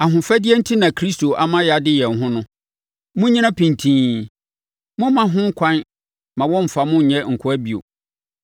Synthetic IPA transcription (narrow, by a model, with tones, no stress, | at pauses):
a˨ɦʊ̃˨fæ˦dɪ˦ɛ˦n̩˦tʰi˦nã˨kʰɾi˦sto˨ʔa˨mã˦ja˨dɪ˦jɛ̃˨n˨ɦʊ̃˦nʊ̃˦ | mʊ̃˦ɲĩ˦nã˦pʰĩ˨ntʰĩː˦ | mʊ̃˦mã˨ɦʊ̃˦ŋ̩˦kʷʰã˦n | mã˨wɔ̃˦m̩˨fa˨mʊ̃˦ɲ̩˨ɲɛ̃˦ŋ̩˨kʰʊ˦æ˦bi˨o̰˨